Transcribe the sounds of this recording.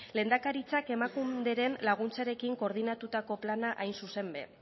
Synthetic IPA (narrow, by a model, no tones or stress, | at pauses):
le̞ːnd̪akaɾit͡sake̞makumd̪e̞ɾe̞nlaɣ̞unt͡saɾe̞kiŋko̞ɾðinat̪ut̪ako̞planaʔajnsuse̞mbe̞̰